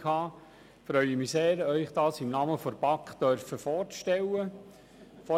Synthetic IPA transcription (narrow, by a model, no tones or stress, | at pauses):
hɑː | fɾœʏimiseːɾœʏχd̥̪ɑːsɪmnɑməfɔɾb̥ɑkχd̪̥œɾfəfɔːɾtʃtɛlːə | fɔ